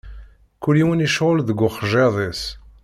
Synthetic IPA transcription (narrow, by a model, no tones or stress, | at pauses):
kːuliwəniʃʁʊlðəɡːʊχʒeðˤes